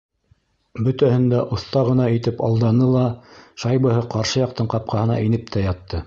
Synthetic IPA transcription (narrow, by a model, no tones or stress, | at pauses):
bɵ̆t̪æhɘ̆nd̪æʔŏθt̪ɑʁɤ̆nɑit̪ɘpɑ̰lˠd̪ɑnɤlˠɑʃɑjbɤ̆hɤqɑɾʃɤjɑq̚t̪ɤɴqɑp̚qɑhɤ̆nɑ̰ʔinɘp̚t̪ʰæjɑt̪ːɤ